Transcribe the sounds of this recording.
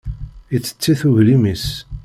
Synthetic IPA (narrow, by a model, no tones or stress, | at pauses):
it͡sːə̥t͡sːiθuʝlimis